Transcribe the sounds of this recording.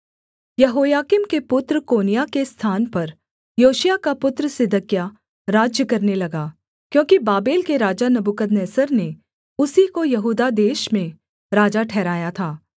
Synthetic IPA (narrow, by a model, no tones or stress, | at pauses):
jɐɦoːjaːkɪmkepʊt̪ɾəkoːnijakest̪ʰaːnpɐɾ | joːʃjakapʊt̪ɾəsɪd̪ʱəkja | ɾaːd͡ʒjəkɐɾnelɐɡaː | kjõːkibaːbeːlkeɾaːd͡ʒanɐbukəd̪nɛːsəɾne | ʊsikojɐɦuːd̪ad̪eːʃmẽ | ɾaːd͡ʒaʈʰɛːɾaːjat̪ʰaː